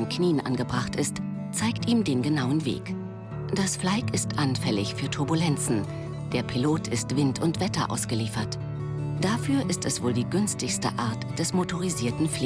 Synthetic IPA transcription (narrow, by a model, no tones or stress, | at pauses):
nkniːənʔa̰nɡəbʁaχtɪst | t͡saɪktiːmdeːnɡənaʊənvḛːk | d̥asflaɪkɪstʔanfɛlɪçfyːɐtʰʊɐbulɛnt͡sn̩ | d̥eːɐpʰiloːtʰɪstv̥ɪntʰʊntv̥ɛtɐʔa̰ʊsɡ̥əliːfɐt | d̥afyːɐʔɪstɛsv̥oːldiːɡʏnstɪçstə̰ʔaɐtd̥ɛsmotʰoʁ̞iziːɐtn̩fl